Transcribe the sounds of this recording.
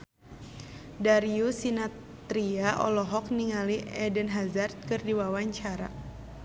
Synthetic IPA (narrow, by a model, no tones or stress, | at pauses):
daɾiusina | t̪ɾiaʔɔ̰lɔɦɔk̚niŋaliɛdənɦazart̪̚kɨrdiwawaɲt͡ʃaɾa̰